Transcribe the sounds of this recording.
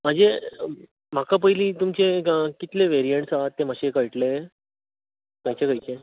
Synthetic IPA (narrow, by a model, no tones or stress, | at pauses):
m̤əɳd͡ze | m̤akap̬əɦiliːt̪umt͡ɕekit̪leʋeɾijeɳʈsaat̪ːem̤aɕekəjʈlee | kajt͡ɕekajt͡ɕe